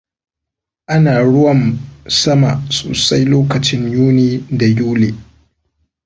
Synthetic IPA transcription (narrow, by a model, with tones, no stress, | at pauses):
ʔa˦naː˨ɽʊ˦wɐ˦˨nsɐ˦ma̰˨so̰ː˨sa˦jloː˦kɐ˨t͡ʃɪ˦ɲjuː˦niː˦da˨juː˦leː˨